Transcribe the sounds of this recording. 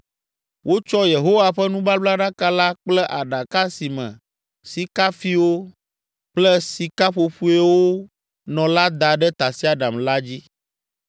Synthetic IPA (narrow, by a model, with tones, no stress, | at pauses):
wʔo˦t͡ʃɔ˦je˨ɦo˦wa˨ɸɛ˦nũ˦ba˦bla˦ɖa˦ka˦la˦k͡plɛ˦ʔa˨ɖa˨ka˦si˨mɛ̰̃˨ | si˦ka˦fi˦wo˦ | k͡plɛ˦si˨ka˦ɸo˨ɸu˦e˦wo˦ | nɔ̃˨la˦d̪a˨ɖɛ˦t̪a˨si˦a˦ɖa˨mla˦d͡ʑi˦